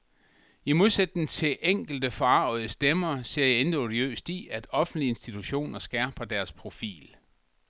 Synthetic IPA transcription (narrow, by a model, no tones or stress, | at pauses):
imo̝ðˠsed̥ːeŋt͡sʰe̝ʔeŋ̰ɡ̥l̩d̥əfɒɑ̈ʊ̰ð̩ˠəsd̥emɐːse̝ɐ̰jaend̥iodiø̰ːsd̥iæd̥ɒ̽fn̩d̥lie̝nsd̥it͡sʰuɕo̝̰ːnɐsɡ̥ɛɐ̰b̥ɐd̥æɐspʰʁo̝fḭːl